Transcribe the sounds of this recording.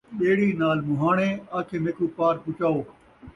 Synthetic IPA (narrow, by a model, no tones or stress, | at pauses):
ɓeːɽiːnaːlmʊɦaːɳ̃ẽːaːkʰeːnekuːpaːɾpʊt͡ʃaːoː